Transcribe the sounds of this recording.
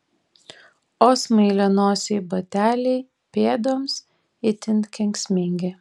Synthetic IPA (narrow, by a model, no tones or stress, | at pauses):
oːsmɐɪlʲɛnoːsʲɛɪbɐt̪ʲæːlʲɛɪ | pʲeːd̪oːms | ɪt̪ʲɪnkʲɛŋʲksʲmʲɪŋʲɡʲɪ